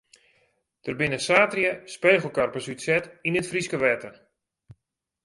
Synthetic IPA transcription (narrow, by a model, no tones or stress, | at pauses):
d̥ərbɪnəsaːtrjəspeːχəl̩ˠkarpəsytsɛtinɪtfriskəʋɛːtər